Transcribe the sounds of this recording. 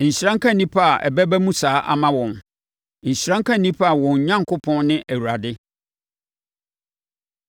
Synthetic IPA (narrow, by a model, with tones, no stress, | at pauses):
ɲ̩˨ɕɾã˦ŋ˦kʰã˦nĩ˦pʰa˦a˨ʔɛ̰˨bæ˦bæ˦mũ˦saː˦ʔa̰˦mã˦wɔ̃˨n | ɲ̩˨ɕɾã˦ŋ˦kʰã˦nĩ˦pʰa˦a˨wɔ̃˨ɲ˨ɲã˦ŋ˨kʰʊ˦pʰɔ̃˦nnɪ̃˦ʔæ˨wu˨ɾa˨dɪ˦